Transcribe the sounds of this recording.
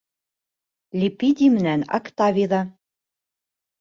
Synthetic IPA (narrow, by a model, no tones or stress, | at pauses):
lʲipid̪ʲimnænɑ̰kt̪ɑvʲiðɑ